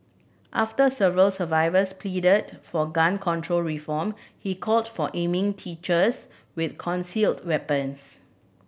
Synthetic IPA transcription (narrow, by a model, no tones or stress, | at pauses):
ʔaftəsɛvəɹəlsəvaɪvəspʰlidədfɔɡãnkʰɔ̃ntʰɹolɹifɔmhikʰɔldfɔʔẽmɪ̃ŋtʰit͡ʃəs | wɪθkʰɔ̃nsiltwɛpə̃ns